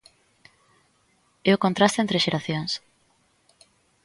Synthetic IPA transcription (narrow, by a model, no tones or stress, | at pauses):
ɛʊkont̪ɾast̪ent̪ɾeʃeɾaθjoŋs